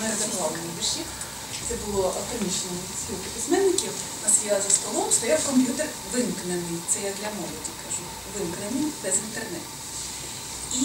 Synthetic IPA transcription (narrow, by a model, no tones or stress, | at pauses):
mɛɐd̪ɐmlˠɑlɐnʲibiʃʲi | t̪sɛbʊlˠɔʔɐt̪ɔnʲit͡ʃnɔ | sʲpʲilʲkɪpʲismɛnːɪkʲiwnɐsjzɐst̪ɔlˠɔmst̪ɔjawkɔmʲpʲjut̪er | ʋɪmknenɪjt̪sɛjad̪lʲɐmɔlˠɔdʲikɐʒu | ʋɪnknenɪjbɛzɪnt̪ernɪ | i